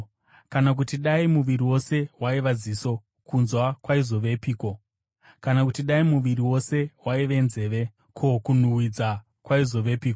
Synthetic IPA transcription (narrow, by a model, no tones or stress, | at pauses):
kanak̬utiɗaimuʋiɾiwo̞se̞waiʋaziso̞ | kunzwakwaizo̞ʋe̞piːkwo̞ | kanakutiɗaimuʋiɾiwo̞se̞waiʋe̞nze̞ːʋe̞ | kʰokun̤uwid͡za | kwaizo̞ʋe̞piːko